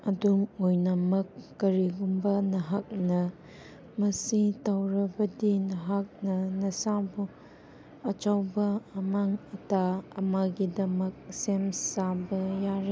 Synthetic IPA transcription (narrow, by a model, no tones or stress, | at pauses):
ɐdumojnɐmɐkːɐɾiɡumbɐnɐɦak̚nɐ | mɐsitawɾɐbɐdinɐɦak̚nɐnɐsabu | ɐt͡ʃawbɐːmaŋɐtaɐmaɡidɐmɐk̚semsabɐjaɾe